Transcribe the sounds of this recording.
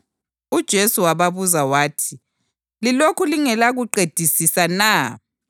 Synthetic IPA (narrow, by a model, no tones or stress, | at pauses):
ud̥ʒ̥ʱesuwaβaβuzawaːtʰi | lilokʰuliŋɛlaɣuǃed̥ʱisisanaː